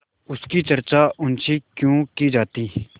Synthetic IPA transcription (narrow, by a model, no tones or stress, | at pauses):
ʊskit͡ʃɐɾt͡ʃaʔʊnt͡ʃikjõːkid͡ʒaːt̪i